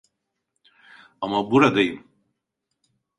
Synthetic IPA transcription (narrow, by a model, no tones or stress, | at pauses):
amabuɾad̪ajim